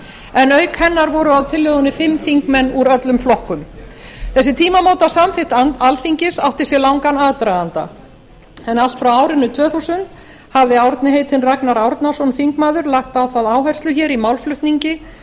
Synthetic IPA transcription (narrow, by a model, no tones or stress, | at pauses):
ɛnœɥkhɛnːaɾvɔɾʏawt̪ʰɪlːœɣʏnːɪfɪmːθiŋkmɛnːuɾœt̪lʏmflɔhkʏmθɛsːɪt̪ʰiːmamoːwt̪asamθɪht̪ant̪alθiɲcɪsawht̪ɪ̥sjɛlawŋkanaðt̪ɾaant̪a̰ | ɛnal̥t̪fɾawaːwɾɪnːʏt̪ʰvœːθuwsʏnt̪ | havðɪawɾt̪nɪɦeːjt̪ʰɪnraknaɾawɾt̪nasɔnθiŋkmaːðʏɾlaht̪awθaðaːwɦajr̥st̪lʏçɛːɾimawlflʏht̪niɲcɪ